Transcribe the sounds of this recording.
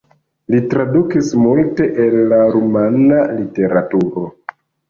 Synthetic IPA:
litɾadukismulte̞ʔelːaɾumanalite̞ɾatuɾo̞

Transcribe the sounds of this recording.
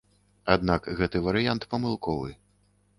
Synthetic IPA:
ad̪nakɣɛt̪ɨvɐɾɨjant̪pɐmɨlˠkɔvɨ

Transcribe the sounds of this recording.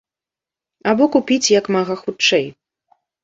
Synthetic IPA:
abɔkupʲit͡sʲjɐkmaɣɐxut͡ʂɛj

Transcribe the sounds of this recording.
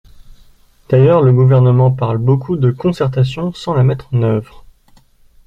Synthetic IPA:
d̪̥ajœʁləɡuvɛʁnəmɑ̃paʁlbokʰud̪əkɔ̃sɛʁt̪asjɔ̃sɑ̃lamɛt̪χɑ̃nœvʁ

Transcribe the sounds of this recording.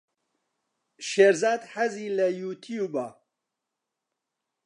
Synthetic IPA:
ʃeɾzaːd̪ħaziːlɐjuːt̪ʰijuːbaː

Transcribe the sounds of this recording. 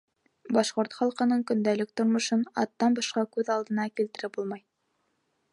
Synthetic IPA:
bɑʃqoɾt̪χɑlˠqɤ̆nɤɴkɵ̆nd̪ælɘk̚t̪ŏɾmŏʃɤnɑ̰t̪ːɑnbɑʃqɑkʉðɑlˠd̪ɤ̆nɑkilt̪ɘ̆ɾɘpbulˠmɑj

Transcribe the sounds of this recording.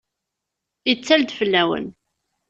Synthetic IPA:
jət͡sːæld̪fəlːæwə̰n

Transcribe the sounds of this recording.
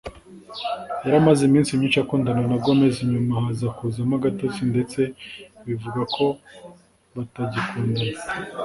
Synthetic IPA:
jaɾamazimiːnsimiːnt͡ʃajakuːndananaɡomeziɲumahazakuzamaɡatot͡sinde̞t͡se̞βivuɡakʰo̞ | βataɟikuːndana

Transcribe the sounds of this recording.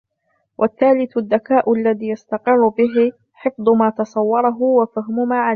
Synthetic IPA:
wʔaθːaːlɪθʊaðːakaːʔʊʔalːaðiːjast̪ɑqɪrːʊbɪɦɪ | ħɪfd̪ˤʊmaːt̪ɑsˤɑwːɑɾˤɑɦʊwafaɦmʊmaːʕal

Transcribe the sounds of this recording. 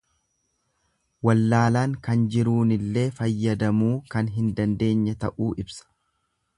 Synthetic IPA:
wɐlːaːlaːŋkɐnd͡ʒɪɾuːnɪlːe̞ːfɐjːɐd̪ɐmuːkɐnɦɪnd̪ɐnd̪e̞ːɲːɐt̪ɐʔuːʔɪbsɐ̥

